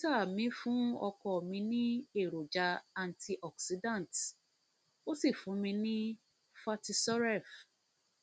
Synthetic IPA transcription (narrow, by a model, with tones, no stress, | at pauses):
ta˦˨mĩ˨˦fũ˦ɔ˧kɔ˦˨mĩ˧nĩ˦e˦˨ɾo˨d͡ʒa˧a˨n˨ti˧ʔɔ˨ksi˧dã˦˨n˨t | o˦si˦˨fũ˨˦mĩ˧nĩ˦ | fa˧ti˧sɔ˦ɾɛ˦˨f